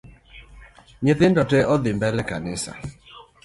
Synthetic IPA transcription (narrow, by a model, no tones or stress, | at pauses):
ɲeðɪndɔtɛʔɔðɪmbɛlɛkanɪsa̰